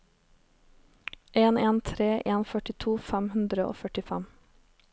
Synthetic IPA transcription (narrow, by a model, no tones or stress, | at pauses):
ʔeːneːnt̪ʰɾeːʔeːnfœʈɪt̪ʰuːfæmhʉnd̪ɾəʔo̰ːfœʈɪfæm